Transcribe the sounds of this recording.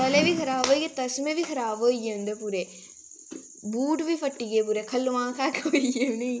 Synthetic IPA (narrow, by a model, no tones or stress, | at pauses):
kɐleʋikʰɐɾaːʋojet̪ɐsmẽʋikʰɐɾaːʋoːijend̪epuɾe | buːʈʋifɐʈːiɡep̬uɾekʰɐlːʋãːkaːkeʋɐijeʋnɐĩ